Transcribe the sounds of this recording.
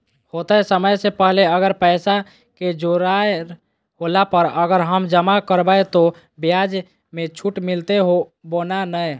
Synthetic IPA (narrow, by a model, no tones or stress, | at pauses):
hot̪əjsəməjsepəɦleəɡəɾpəɪsa | ked͡ʒoɾae | holapəɾəɡəɾɦəmd͡ʒəmakəɾbəjt̪o | bijad͡ʒ | met͡ʃʰuʈmilt̪eɦobonanəj